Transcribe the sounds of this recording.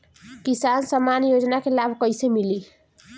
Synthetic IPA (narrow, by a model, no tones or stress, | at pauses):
kisansəmːanjod͡ʒnakelabʱkʌjsemili